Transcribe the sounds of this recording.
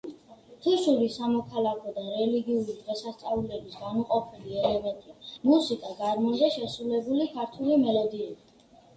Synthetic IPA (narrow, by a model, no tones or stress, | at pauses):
t̪ʰuʃuɾisamɔkʰalˠakʰɔd̪aɾɛliɡiuɾid̪ʁɛsast̪sʼaulɛbisɡanuqʼɔpʰiliɛlɛmɛnt̪ʼimusikʼaɡaɾmɔnd̪ɛʃɛsɾulɛbulikʰaɾt̪ʰulimɛlɔd̪iɛbi